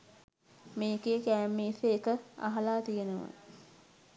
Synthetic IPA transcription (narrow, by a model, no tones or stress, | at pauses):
meːkeːkæːmːiːseːkəa̰ɦalaːt̪ijenəʋə̰